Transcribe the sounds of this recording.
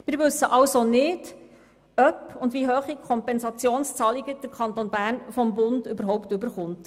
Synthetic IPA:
mɪːɾʋʉsːəʔɑwsonɪd̥ | œpʊndʋiɦøːχikʰɔmpɛnsɑt͡sjoːnst͡sɑːliɡəd̥əɾkʰɑnt̪onbæːɾnfɔmbʊndʏbəɾɦɔwptʉbəɾχʊnt

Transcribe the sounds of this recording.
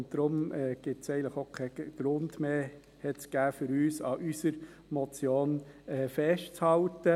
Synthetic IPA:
ntd̥ɾʊmɛɡ̥ɪtsɛɪənləχokʰɛɡ̥ɾʊndmeː | hɛtsɡ̥æːfʏɾyːsɑʔysəɾ | mɔt͡sjoːnɛːfɛʃtt͡shɑlt̪ə

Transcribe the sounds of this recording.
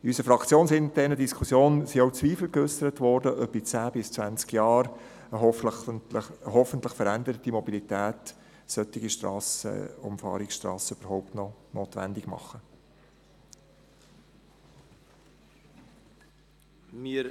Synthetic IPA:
iysəfɾɑkt͡sjoːnsɪnd̥ɛnədiskʰusjoːnsiowt͡sʋiːfl̩køsəɾətʋɔɾdəʔœpit͡sæːb̥ɪst͡svænt͡skjɑːɾ | əɦɔ | ɦɔfənt̪ləχfəɾændəɾətimɔbilitæːt | sœtɪɡiʃtɾɑ̰ːsə̰ʊ̰mfɑ̰ːɾɪksʃtrɑ̰ːsəybəɾɦɔʊp̚tnɔnoːt̪ʋæ̰ndɪɡ̥mɑ̰χːə | mi

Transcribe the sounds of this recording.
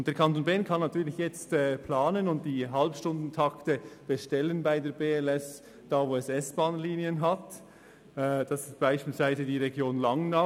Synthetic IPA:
ʊnt̚d̥eːɐkʰɑntonbɛːnkʰɑnːɑtʰyːɾlɪçjɛt͡stɛːpʰlaːnənʊnt̚d̥iːɦalpʃtʊndn̩tʰɑktəb̥ɛʃtɛlənbaɪdeːɐɾbeːɛlɛs | d̥aːvoːɛsɛsb̥aːnliːniənɦatː | d̥ɑsɪst̚b̥aɪʃpiːlsv̥aɪzədiːʁeɡjoːnlɑŋna

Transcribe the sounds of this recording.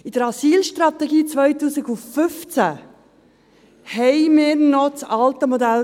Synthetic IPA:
id̥əɾɑsiːlʃtɾɑt̪ɛɡiːt͡sʋœjtuːsiɡʊfʏft͡sæ | hɛɪmɪːɾnɔt͡sɑlt̪əmɔd̪æl

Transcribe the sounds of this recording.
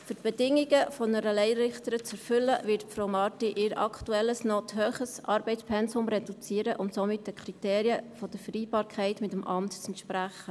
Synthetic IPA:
fʏɾtb̥ɛdɪŋːiɡəfɔnəɾəlɛɪɾɪχt̪əɾət͡sɛɾfʏlːəʋɪɾtfɾowmɑːtiʔɪɾɑ̰kʰtuɛlːəsnoːtɦøːχəsʔɑːɾbɛɪspʰɛnsʊmɾɛdut͡siːəɾəʔʊntsomɪt̚dəkʰχɾiteːɾiəfɔd̥əɾfəɾiːbɑːɾkʰɛɪtmɪtəmʔɑmtt͡sɛntʃpɾæχːə

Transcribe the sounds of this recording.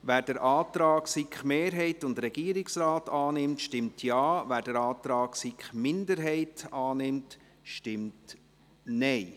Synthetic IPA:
væːɾd̥əɾʔɑːt̪ɾɑːksikχmeːɾɦɛɪtʊndɾɛɡ̥iːəɾɪksɾaːtɑːnɪmtʃtɪmtʰjɑːvæːɾdəɾɑːt̪ɾɑːksikχmɪndəɾɦɛɪtɑːnɪmt | ʃtɪmt | nɛɪ

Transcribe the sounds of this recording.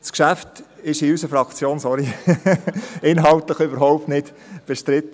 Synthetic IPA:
skʃæftɪʃɪysəfɾɑkt͡sjoːnsɔɾi | ɪnɦɑltləχøbəɾɦɔʊp̚tnɪt | b̥ɛʃtɾɪt̪ːə

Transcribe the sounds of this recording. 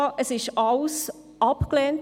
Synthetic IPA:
ʔəsɪʃɑls | ʔɑpklɛːnt

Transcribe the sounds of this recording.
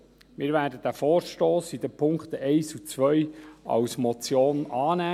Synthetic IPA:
mɪːɾvæːdəd̥̪æfoːɾʃtoːsid̪əpʰʊŋkχt̪əʔɛɪsut͡sʋœjɑ̰wsmɔt͡sjoːnɑːnæː

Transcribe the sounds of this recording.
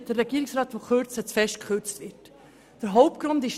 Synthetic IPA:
d̥ərːɛɡ̥iːɾɪksɾɑːtʋokʰøɾt͡sət͡sfɛʃt̚kχʏɾt͡stʋɪt | d̥əɾɦɔʊp̚t̚ɡ̥ɾʊndɪʃ

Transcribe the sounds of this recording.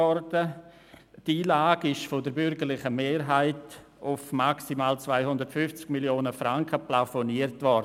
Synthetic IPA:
ɔɾdə | diːlaːɡɪʃfodəɾbʏɾɡəɾlɪχəmeːɾɦaɪt | ʊfmaksimaːlt͡svaɪhʊndəɾtfʏft͡sɡ̥miljoːnəfɾaŋkʰəplafoniːəɾtvɔɾd

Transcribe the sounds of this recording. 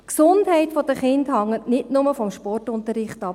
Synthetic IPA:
ksʊndɦɛɪtfɔd̥əχɪndhɑŋːətnɪtnʊməfɔmʃpɔrtʊntəɾɪχtɑ

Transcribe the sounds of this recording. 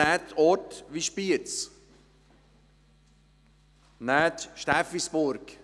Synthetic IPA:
æt̪ʰɔtʋiʃpiət͡s | næːt̪ʃtæfisbʊɾk

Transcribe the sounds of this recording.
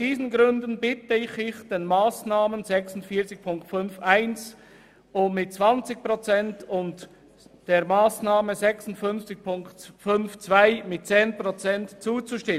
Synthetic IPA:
sd̥iːzənɡʁʏndənbɪtəɪçɪçd̥eːnmaːsnaːmənzɛksʊntfiːɐt͡sɪç̚pʰʊŋktfʏnfʔaɪns | ʔʊmːɪt̚t͡sv̥ant͡sɪç̚pʁot͡sɛntʊnt | d̥eːɐmaːsnaːməzɛksʊn̩tfʏnft͡sɪç̚pʰʊŋktfʏnft͡sv̥aɪmɪt̚t͡seːnpʁ̥ot͡sɛntt͡suːt͡suʃtɪmə

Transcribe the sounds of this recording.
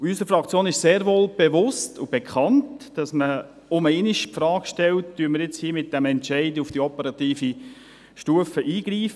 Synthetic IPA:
ysəɾfɾɑkt͡sjoːnɪʃseːɾʋoːlb̥evʊstʊb̥ekʰχɑntd̥ɑsmə | ʊməɪnɪʃpfɾɑːkʃtɛltd̥yənməɾjɪt͡shiːmɪt̚d̥æmɛntt͡ʃæɪdəufd̥iɔpəɾɑt̪iːfi | ʃtuəfəʔiːɡɾiːf

